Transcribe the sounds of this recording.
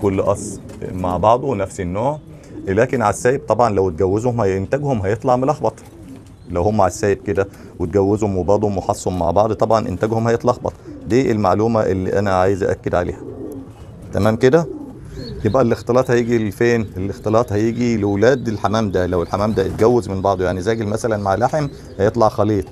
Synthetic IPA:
kolːʔɑsˤ | maʕbɑʕd̪ˤonæfsenːoːʕ | læːkenʕasːæːjeb̚t̪ˤɑbʕɑnlæwt̪̚ɡæwːezhomhænt̪æɡhomɦæjet̪ˤlɑʕmelɑxbɑt̪ˤ | læwhomːæʕasːæːjeb̚ked̪æ | wet̪̚ɡæwːezhomwebɑʕd̪ˤhomweħɑsˤːhomːa̰ʕbɑʕd̪ˤt̪ˤɑbʕɑnʔḛnt̪æɡhomhæjet̪ˤlɑʔɑxbɑ̰t̪ˤd̪iːʔelma̰ʕluːmæʔelːḭːʔænæʕaːjezʔæ̰ʔæ̰kːed̪ʕa̰lḛːhæ | t̪æmæːmked̪æ | jebʔælʔext̪elɑːt̪hæjiːɡilfeːnelʔext̪elɑːt̪ˤhæjiːɡilewlæːd̪elħamæːmd̪ælæwelħamæːmd̪æet̪̚ɡæwːezmenbɑʕd̪ˤojaʕnizæːɡelmæsælænmaʕlaħem | hæjet̪ˤlɑʕxɑliːt̪ˤ

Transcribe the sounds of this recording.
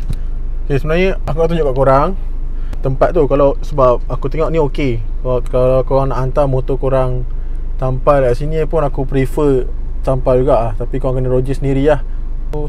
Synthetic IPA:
okesəmənaɲəakunaʔt̪uɲd͡ʒoʔkaʔkoɾaŋ | t̪əmpat̪̚t̪ːukalasəbap̚akut̪eŋɔʔnĩoke | kkalakoɾaŋnaʔant̪amõt̪okoɾaŋ | t̪ampajlaaʔsinipʊnakupɾifə | sampajd͡ʒuɡaʔlaht̪apikoɾaŋkənəɾod͡ʒisəniɾilah | tu

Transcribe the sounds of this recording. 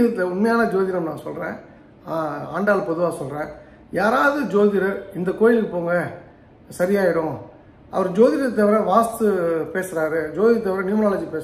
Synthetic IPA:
ɐt̪ːlɐʊnmɐjaːnɐd͡ʒoːðɪɾɐmnãːsɔlrḛ̃ː | aːɳɖaːlɐpɔðɯʋaːsɔlɾẽː | jaːɾaːʋðɯd͡ʒoːðɪɾɐɾɪnd̪ɐkoːjɪlɯkːɯpoːŋɡɐ | sɐɾɪjaːɪɾʊ̃ | ʔɐ̰ʋɐɾd͡ʒoːðɪɾɐt̪ːɐʋɪɾɐʋaːst̪ɯpeːsɪɾaːɾɯd͡ʒoːðɪɾɐt̪ɐʋɪɾɐnɪmnaːlɐd͡ʒipeːs

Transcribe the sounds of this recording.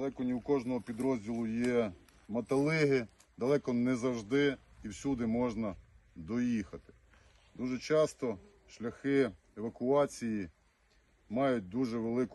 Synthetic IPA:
lˠɛkɔnʲiwkɔʒnɔɦɔpʲid̪ɾɔzʲdʲilˠʊjɛ | mɐt̪ɐlˠɪɦɪ | d̪ɐlˠɛkɔnɛzɐwʒd̪ɪiwsʲud̪ɪmɔʒnɐd̪ɔjixɐt̪ɪ̥ | d̪uʒɛt͡ʃɑst̪ɔ | ʃlʲɐxɪ | eʋɐkʊɑt͡sʲiji | mɑjʊt̚ʲd̪uʒɛʋelˠɪkʊ

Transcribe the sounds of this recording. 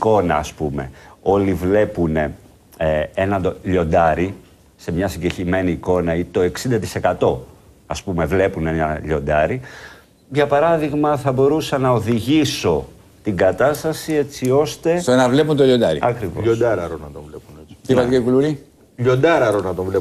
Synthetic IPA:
iko̞nɐ̰ːspume̞̰o̞livle̞pune | eenɐd̪oʎo̞nd̪ɐɾi | se̞mɲɐsiɲɟeçime̞niːko̞nɐit̪o̞e̞ksind̪ɐt̪i̥se̞kɐt̪o̞ | ɐspume̞vle̞pune̞nɐʎo̞nd̪ɐɾi | ʝɐpɐɾɐðiɣmɐθɐbo̞ɾusɐnɐoðiʝiso̞ | t̪iŋɡɐt̪ɐst̪ɐsie̞t͡sio̞st̪e̞senɐvle̞punt̪oʎond̪ɐɾḭɐkɾivo̰ʎod̪ɐɾɐɾonɐt̪ovlepunei̥t̪ivɐkɐikuluɾi | ʎo̞nd̪ɐɾɐɾonɐt̪ovle

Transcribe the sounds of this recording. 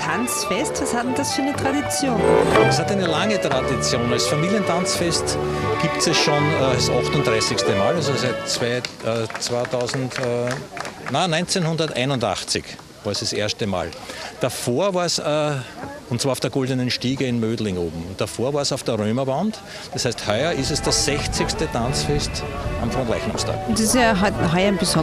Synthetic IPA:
tʰant͡sfɛstvashatn̩dasfyːɐnətʁ̥adit͡sjoːnɛshat̪æɪnəlaŋətʁadit͡sjoːnalsfamiːljəntʰant͡sfɛstɡ̥iːptsɛsʃonːsaxtʊntd̥ʁaɪsɪçstəmaːlalsosæɪtt͡svaɪʔəːt͡svaːtʰɑʊzn̩tː | nanɔʏnt͡senhʊ̃ndɐtæ̰ɪnʊnda̰χt͡sɪ̰ç | vaːɐsd̥eseɐstəma̰ːl | d̥afoːɐvaːɐsəʊntt͡sːʋ̥aɐʊd̥eɐɡ̥ɔldənənʃtiːɡəɪnmøːdlɪŋoːbm̩ʊnt̚d̥afoːɐvaːɐsɑʊfd̥əɐʁøːmɐbant | d̥ɐshæɪsthœʏɐɪstɛsd̥ɐsz̥ɛçt͡sɪçstətʰant͡sfɛstʔamfʁɔ̃ntʁɛɪçnamstʰa̰ːkdisatɦaɪɐnbɪsɔ

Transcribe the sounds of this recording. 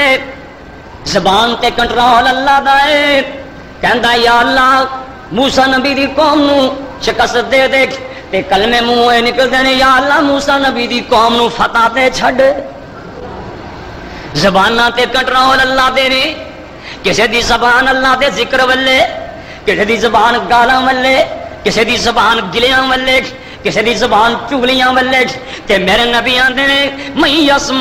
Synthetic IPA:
e | zəbaːnt̪eːkəɳʈɾaːoːləlːaːd̪aːeː | kɛ̃ːnd̪aːjaːəlːaː | muːsaːnəbiːd̪iːkɔːmnũːʃɪkəsd̪eːt̪eː | t̪eːkəlmɛ̃ːmũːeːnɪkəld̪eːneːjaːəlːaːmuːsaːnəbiːd̪iːkɔːmnũːpʰət̪ãːt̪eːt͡ʃʰəɖ | zəbaːnãːt̪eːkəʈnãːoːləlːãːd̪eːnẽː | kɪseːd̪iːzəbaːnəlːãːd̪eːzɪkəɾʋəlːeː | kɪseːd̪iːzəbaːnɡaːlãːʋəlːeːkɪseːd̪iːzəbaːnɡɪljãːʋəlːeːʈʰ | kɪseːd̪iːzəbaːnt͡ʃuːlɪjãːʋəlːeːʈʰ | t̪eːmẽːɾẽːnəbiːãːd̪eːnẽːməĩːjəːsm

